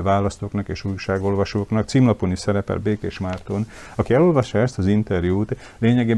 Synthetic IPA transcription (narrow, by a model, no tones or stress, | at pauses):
vaːlɒst̪oːknɒkeːʃujʃaːɡo̞lvɒʃoːknɒkt̪simlɒponisɛɾɛpɛ̰lbeːkeːʃmart̪on | ɒkiɛlo̞lvɒʃːɒɛst̪ɒzint̪ɛrjuːt̪ | leːɲɛɡeː